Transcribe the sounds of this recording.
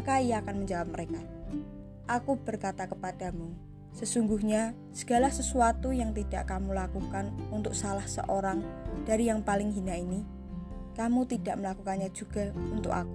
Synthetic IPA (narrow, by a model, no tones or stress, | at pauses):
kaiaːkanməɲd͡ʒawap̚məɾeka | ʔakub̥ərkat̪akəpad̥a̤mu | səsuŋɡuhɲa | sə̥ɡ̥a̤lahsəsuat̪ujaŋt̪id̥aʔkamulakukanunt̪ʊk̚salahsə̰ʔoɾaŋd̥aɾijaŋpalɪŋɦinaini | kamut̪id̥aʔməlakukanɲad͡ʒ̥uɡ̥a̤unt̪ʊ̰ka̰ku